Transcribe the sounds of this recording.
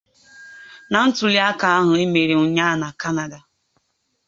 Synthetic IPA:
na˨n̩˦tʊ˨li˦a˦ka˨a˦ɦʊ˨e˦me˨ɾe˨ʊ˨ɲa˦na˨ka˦na˨da˨

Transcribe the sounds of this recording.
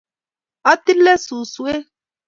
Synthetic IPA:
a˦t̪i˦lːɛ˦su˨su˦e˦

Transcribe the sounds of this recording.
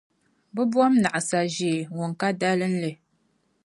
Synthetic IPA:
bɨ˦bwɔ˦mna˨ʔa˨sa˨ʒi˨ŋo˨ŋ˨ka˦da˦lɨ˦n̩˦lɨ˨

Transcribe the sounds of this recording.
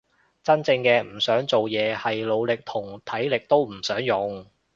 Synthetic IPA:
t͡sɐ˥nt͡sɪ˧ŋkɛː˧m̩˨˩sœː˨˥ŋt͡so˨wjɛː˨˧hɐ˨jlo˨˧wlɪ˨k̚t̪ʰʊ˨˩ŋt̪ʰɐ˨˥jlɪ˨k̚t̪o˥wm̩˨˩sœː˨˥ŋjʊ˨ŋ

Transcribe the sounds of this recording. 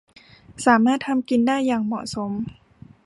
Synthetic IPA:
saː˩˦maː˥˩t̪ʰa˧mki˧ndaː˥˩jːaː˨˩ŋmɔ̰˨˩so˩˦m

